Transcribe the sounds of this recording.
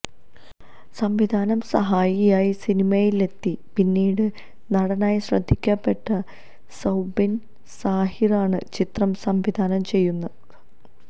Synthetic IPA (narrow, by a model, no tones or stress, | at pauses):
sɐmʋid̪ʱaːnɐmsɐɦaːjijaːjisinimɐjile̞t̪ːipinːiːɽɨ | nɐɽɐnaːjiɕrɐd̪ʱːikʲːɐpːe̞ʈːɐ | sɐwbin | saːhiraːɳɨ̰t͡ɕit̪rɐmsɐmʋid̪ʱaːnɐmt͡ɕe̞jːunːɐ